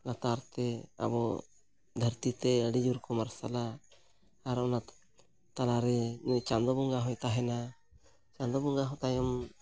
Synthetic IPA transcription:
lat̪aɾt̪ɛa̰bɔ | d̪ʱəɾt̪it̪ɛəɽid͡ʒuɾkɔmaɾsalaː | ɾɔna | t̪alaɾɛt͡ʃand̪ɔbuŋɡaɦɔ̃jt̪aɦɛna | t͡ʃand̪ɔbuŋɡaɦɔ̃t̪ajɔm

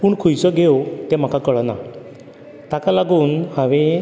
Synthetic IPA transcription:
puːɳkʰujsəɡeot̪em̤akakəɭna̰ | t̪akalaɡuːnhãʋẽ

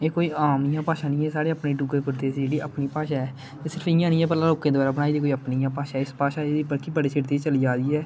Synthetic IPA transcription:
eːkoːiːaːmɪjãːpaːʃãːnĩːɛːsaːɽeːapneːɖuːɡeːpəɾt̪eːsid͡ʒeːɽiːapniːpaːʃaːɛː | t̪eːsɪɾəpɪjãːnĩːɛːpəlaːloːkːẽd̪oaːɾaːbəɽaːiːd̪eːkoːəpnijãːpaːʃaːɛːɪspaːʃaːeːd̪iːbəɽkiːbəɽeːsɪɾt̪eːt͡ʃəliːd͡ʒaːd̪iːɛː

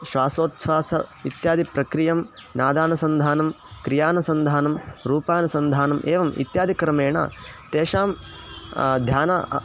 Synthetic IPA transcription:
ʃʋaːsoːt̪sʋaːsɐit̪jaːd̪ʱipɾɐkɾijɐmnaːd̪aːnɐsɐnd̪ʱaːnɐm | kɾijaːnɐsɐnd̪ʱaːnɐmɾuːpaːnɐsɐnd̪ʱaːnɐmʔeːʋɐmḭt̪jaːd̪ʱikɐɾɐmeːɳɐ̰t̪eːʃaːm | d̪ʱjaːnɐ

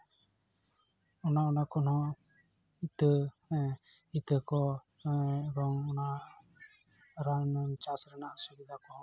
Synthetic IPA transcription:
ɔnaɔnakɔnɔ̃ | it̪ə | it̪əkɔ | ɛd̪ɔŋɔna | ɾaŋnt͡ʃasɾɛnaʔsuɡid̪akɔ

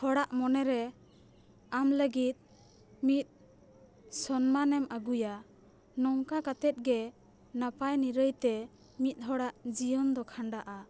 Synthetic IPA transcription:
hɔɽaʔmɔnɛɾɛ | amləɡit̪̚ | mit̪̚ | sɔnmanɛmaɡuja | nɔŋkakat̪ɛt̪̚ɡɛ | napajniɾəjt̪ɛ | mit̪̚ˀɦɔɽaʔd͡ʒijɔnd̪ɔkʰaɳɖaʔa

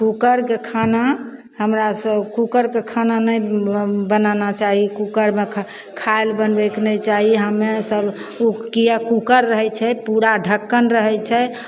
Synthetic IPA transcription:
kukəɾkekʰana | həmɾasəbkukəɾkekʰananəjbənanat͡ʃaɦikukəɾme | kʰaelbənbɛknəjt͡ʃaɦiɦəmesəb | ukijəkukəɾːəɦɛjt͡ʃʰɛpuɾaɖʱəkːənɾəɦɛt͡ʃʰɛ

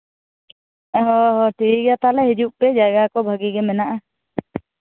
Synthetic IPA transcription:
ɦɔɦɔʈʰikɛat̪alɛɦid͡ʒuʔpɛd͡ʒaɡakɔbʱaɡiɡɛmɛnaʔa

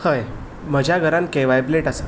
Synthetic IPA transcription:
əj | m̤əd͡ʑʱjaɡʱəɾãnkeʋajbleʈas

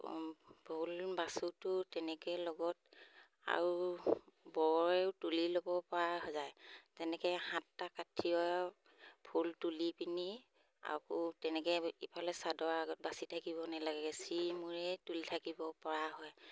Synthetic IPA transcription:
bʱulbasutʊtɛnɛkɛjlɔɡɔt | a̰ɹu | bɔɔɹɛʊtulilobɔpɔɹaɦɔzajzɛnɛkɛhãtːakatʰiɔ | bʰʱultulipini | a̰kutɛnɛkɛipʰalɛsadɔaɡɔt̚basitʰakibɔnalaɡɛɡɛsimuɹɛtulitʰakibɔpɔɹaɦɔj

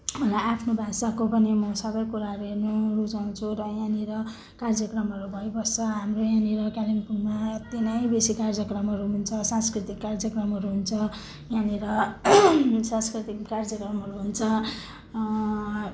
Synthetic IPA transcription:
raapʰnobʱasakopʌnimʌsʌbʌjkuɾaɦʌɾuɦernurud͡zaw̃t͡sʰuɾʌjãniɾʌ | kard͡zʌkrʌmɦʌɾubʱʌjbʌst͡sʰʌɦamrojãniɾʌkalinpunmat̪inʌjbesikard͡zjʌkrʌmɦʌɾuɦunt͡sʰʌsãnskrit̪ikːard͡zʌkrʌmɦʌɾuɦunt͡sʰʌ | jãniɾʌ | sãnskrit̪ikːard͡zʌkrʌmɦʌɾuɦunt͡sʰʌ

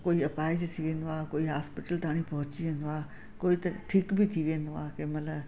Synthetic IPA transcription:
koːiɐpaːɪd͡ʑt̪ʰiʋẽːn̆d̪aːkoːiɦaːspɪʈəlt̪aːɽ̃ipɐɦʊt͡ɕiʋẽːnd̪oaː | koːit̪ɐʈʰiːkbɪt̪ʰiʋẽːnd̪oaːkẽmɐlə

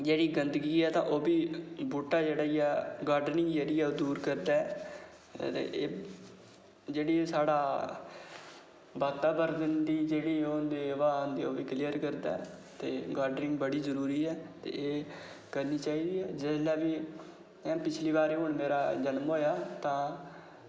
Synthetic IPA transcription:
d͡ʒeːɽiːɡənd̪əɡiːɛːt̪ãːʔoːbiːbuːʈaːd͡ʒeːɽaːijaːɡaːɾɖnɪ̃ŋɡd͡ʒeːɽiːɛːoːd̪uːɾkəɾd̪aːɛː | t̪ḛʔː | d͡ʒeːɽiːsaːɽaː | baːt̪aːbəɾd̪ənd̪iːd͡ʒeːɽiːond̪eːʋãːnd̪iːoːbiːklijəɾkəɾd̪a̰ː | t̪eːɡaːɾɖnɪ̃ŋɡbəɽiːzəɾuːɾiːɛːt̪ḛːʔeː | kəɾniːt͡ʃaːiːd̪iːɛːd͡ʒɪslaːʋiː | ɛ̃pɪt͡ʃʰliːbaːɾeːɦʊɳmeːɾaːd͡ʒənmɦoːjaːt̪ãː

